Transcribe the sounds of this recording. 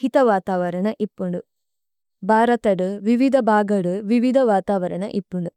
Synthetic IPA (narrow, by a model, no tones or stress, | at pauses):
hit̪ɐʋaːt̪aːʋɐɾɐnɐʔipːuɳɖu | bʱaːɾɐt̪ɐɽuʋiʋid̪ʱɐbʱaːɡɐɽuʋiʋid̪ʱɐʋaːt̪aːʋɐɾɐnɐ̰ʔipːuɳɖu